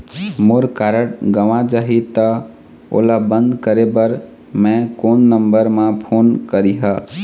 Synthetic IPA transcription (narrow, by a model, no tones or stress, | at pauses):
moɾkaɾəɽɡəʋãd͡ʒaɦit̪ə | o̰labə̃nd̪kəɾebəɾ | mɛ̃konːəmbəɾmẽpʰoːnkəɾiɦə